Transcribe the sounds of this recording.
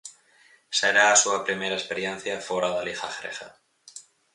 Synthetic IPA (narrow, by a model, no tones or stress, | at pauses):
seɾaːsuapɾimeɾaespeɾjen̟θjafoɾaðalixaxɾexa̰